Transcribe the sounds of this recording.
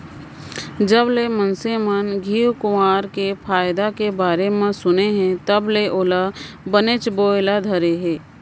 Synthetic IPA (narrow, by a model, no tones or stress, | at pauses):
d͡ʒəblemənsemənɡʱiːwkʊmaːɾkepʰaːjd̪akebaːɾemẽsʊneɦɛ̃t̪ɐbleʔoːla | bənet͡ʃboːɪlad̪ʱɐɾeɦɛː